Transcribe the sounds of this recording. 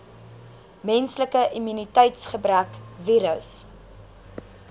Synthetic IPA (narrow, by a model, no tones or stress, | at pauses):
mɛnsləkəʔimynitɛjtsχəbrækviːɾəs